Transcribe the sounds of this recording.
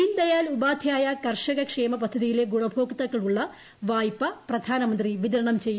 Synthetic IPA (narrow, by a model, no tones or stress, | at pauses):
ind̪ɐjaːlubaːd̪ʱjaːjɐkɐrʂɐɣɐkʂe̞ːmɐp̬ɐd̪ʱːɐðijile̞ɡuɽɐbʱo̞ːkt̪ɐkːɐɭuɭːɐ | ʋaːjpːɐprɐd̪ʱaːnɐmɐnd̪riʋid̪ɐɾɐɳɐmt͡ɕejːu